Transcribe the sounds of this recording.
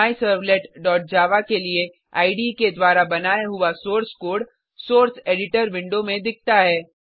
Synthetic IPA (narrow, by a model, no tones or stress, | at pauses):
isəɾʋleːʈɖɔːʈ̚d͡ʒaːʋakelie | aːɪɖiked̪waːɾabɐnaːjaɦʊasoːɾskoːɖ | soːɾseːɖɪʈəɾʋɪ̃ɳɖomẽd̪ɪk̚ʰt̪aɦɛː